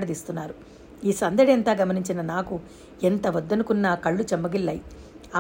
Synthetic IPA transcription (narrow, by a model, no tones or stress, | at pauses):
ɽɐd̪iːst̪unːaːɾu | iːsɐnd̪ɐɽent̪aːɡɐmɐniɲt͡ʃinɐnaːku | ent̪ɐʋɐd̪ːɐnukunːaːkɐɭːut͡ʃɐmːɐɡilːɐji | a